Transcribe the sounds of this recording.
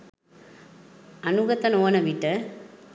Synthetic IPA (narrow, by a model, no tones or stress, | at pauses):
ɐnuɣɐt̪ːɐnoːnɐʋiʈːɐ